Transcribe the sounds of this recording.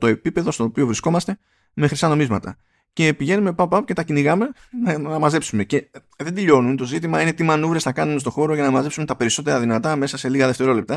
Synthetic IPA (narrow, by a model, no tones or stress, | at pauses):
t̪o̞e̞pipe̞ðo̞st̪o̞ːpiovɾisko̞mɐst̪e̞ | me̞xɾisɐno̞mizmɐt̪ɐ̰ | ce̞piʝe̞nume̞pɐppːɐpce̞t̪ɐciniɣɐme̞ | nnɐmɐze̞psume̞ce̞ | ðed̪iʎo̞nunt̪o̞zit̪̬imɐine̞t̪imɐnuvɾe̞snɐkɐnumest̪o̞xo̞ɾo̞ʝɐnɐmɐze̞psumet̪ɐpe̞ɾiso̞t̪̬e̞ɾɐðinɐt̪ɐme̞sɐse̞liɣɐðe̞ft̪e̞ɾo̞le̞p̚t̪ɐ